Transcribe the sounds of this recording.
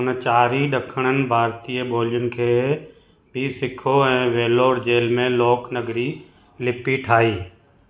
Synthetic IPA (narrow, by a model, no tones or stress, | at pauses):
nət͡ʃaːɾiɗɐkʰəɽ̃ənɪ̆bʱaːɾt̪iːəbʱoːljʊnɪ̆kʰeː | bʱisɪkʰoɛ̃ːʋeːloːɾd͡ʑeːlmẽloːknɐɡɾi | lɪpiʈʰaːiː